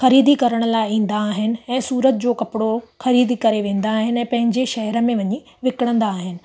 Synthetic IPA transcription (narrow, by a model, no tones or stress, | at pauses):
xɐɾiːd̪ikɐɾəɽ̃ə̆laːɪĩːn̆d̪aːɦɪnɪ̆ɛ̃ːsuːɾət̪̚d͡ʑoːkɐpɪɽoxɐɾiːd̪ikɐɾeʋẽːn̆d̪aːɦɪnɪɛ̃ːpɐ̃ɦɪ̃ɲd͡ʑeʃɐɦɛɾə̆mẽʋɐɲi | ʋɪkɪɽ̃ə̃nd̪aːɦɪnɪ̆